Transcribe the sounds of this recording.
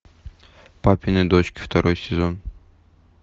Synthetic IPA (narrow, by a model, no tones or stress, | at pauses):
papʲinɨd̪ot͡ɕkʲɪ̥ft̪ʰɐɾojsʲɪzon